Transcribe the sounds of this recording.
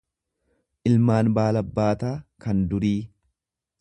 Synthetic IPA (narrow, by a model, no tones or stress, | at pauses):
ʔɪlmaːnbaːlɐbːaːt̪aːkɐnd̪ʊɾiː